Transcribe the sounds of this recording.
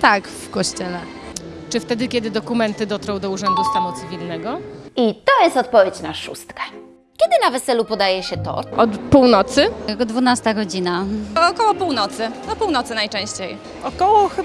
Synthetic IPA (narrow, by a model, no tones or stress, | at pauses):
t̪akfkɔɕt͡ɕɛlɛ | t͡ʂɘft̪ɛd̪ɘkʲɛd̪ɘd̪ɔkumɛnt̪ɘd̪ɔt̪ɾɔwd̪ɔuʐɛnd̪usamut̪sɘvʲilnɛɡɔit̪ɔjɛst̪ɔt̪̚pɔvʲjet͡ɕnaʂṵst̪kɛ̥ | kʲɛd̪ɘnavɛsɛlupɔd̪ajɛɕɛt̪ɔ̰ɔt̪puwnɔt̪sɘd̪vunast̪aɡɔd͡ʑinaɔkɔwɔpuwnɔt̪sɘnɔpuwnɔt̪sɘnajt͡ʂɛ̃w̃ɕt͡ɕej | ɔkɔwɔx